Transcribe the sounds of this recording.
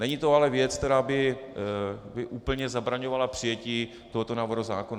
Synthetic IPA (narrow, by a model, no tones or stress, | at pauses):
nɛɲiːt̪oalɛvjɛt͡skt̪ɛɾaːbɪ | bɪʔuːpl̩ɲɛzabɾaɲovalapr̝̥ɪjɛciː | t̪oɦo̞t̪onaːvoɾozaːkona